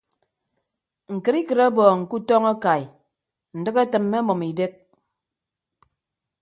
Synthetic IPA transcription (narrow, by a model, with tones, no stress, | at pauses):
ŋ̩˨kɨ˨ɾi˦kɨ˨ɾa˦bɔː˨ŋ̩˨ku˦tɔ˦ŋa˦ka˨j | n̩˨dɨ˦ke˦tɨ˨mːe˦mɔ˨mi˨de˦k̚